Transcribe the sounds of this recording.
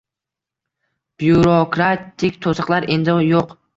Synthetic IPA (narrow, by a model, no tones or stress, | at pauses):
b̥juɾokɾat̪ʰːikʲt̪ʰosɨqlˠaɾend̪ɪjoq